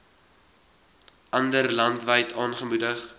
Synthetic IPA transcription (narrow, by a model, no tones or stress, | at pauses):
ʔɐndərlɐntvəjtʰɑːnχəmudəχ